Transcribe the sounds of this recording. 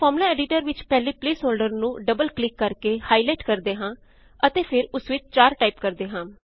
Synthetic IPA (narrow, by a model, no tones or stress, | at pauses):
pʰɔːɾmlaːɛːɖɪʈəɾʋɪt͡ʃpɛːleːpleːsoːlɖəɾnũːɖəbəlklɪkːəɾkeːhaːilaːʈkəɾd̪eːɦãː | ət̪eːpʰɪɾʊsʋɪt͡ʃt͡ʃaːɾʈaːiːpkəɾd̪eːɦãː